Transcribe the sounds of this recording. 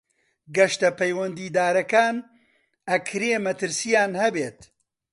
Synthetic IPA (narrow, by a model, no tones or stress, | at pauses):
ɡɐʃt̪ɐpɐjwɐnd̪iːd̪aːɾɐkaːn | ɐkʰɾeːmɐt̪ɨɾsijaːnhɐbeːt̪